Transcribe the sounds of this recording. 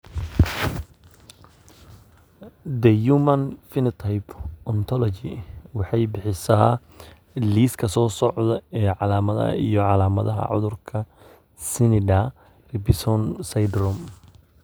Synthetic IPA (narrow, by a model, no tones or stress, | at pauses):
d̪ɛjumɐnfɪnɪt̪ʰɐjpʔɔnt̪ʰɔlɔt͡ʃɪwɑħɑjbɪħɪsɐ | liːskʰɐsɔːsɔʕd̪ɐɛːʕɑlaːmɐðɐ̰ɐ̰ijɔʕɑlaːmɐðɐɦɐ̰ʕʊ̰ðʊrkʰɐ | sɪnɪɖa | rɪbɪsɔnsajd̪rɔm